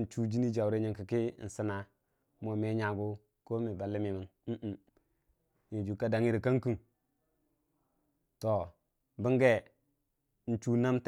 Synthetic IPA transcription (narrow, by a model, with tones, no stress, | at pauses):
n̩˨t͡ʃu˦d͡ʒi˦ni˦d͡ʒa˨wɾe˦ɲi˨ŋki˨ki˦˨n̩˨si˦na˨ | mo˨me˦ɲa˨ɡu˦ | ko˦mi˨ba˨lːi˦mi˨mi˦n | m̩˦ʔ | ji˨d͡ʒu˨ka˦da˨ŋi˦ɾi˨ka˦ŋki˦˨n | to˨ | bi˦ŋɡe˦ | n̩˨t͡ʃu˦na˦mt